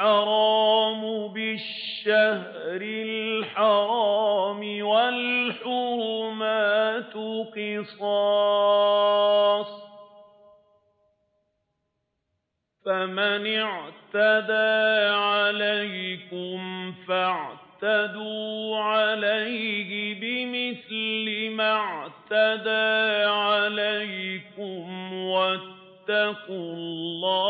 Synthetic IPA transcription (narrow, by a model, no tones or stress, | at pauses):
ħɑɾˤɑːmʊbɪʃːah | ɾɪlħɑɾɑːmɪwalħʊɾmaːt̪ʊqɨsˤɑ | sˤ | famanɪʕt̪ad̪aːʕalajkʊmfaʕt̪ad̪uːʕalajhɪbɪmɪθlɪmaʕt̪ad̪aːʕalajkʊmwat̪ːakʊllːɑː